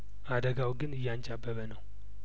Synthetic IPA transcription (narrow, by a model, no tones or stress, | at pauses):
ad̪əɡawɡɨnɨjːant͡ʃabːəβənəw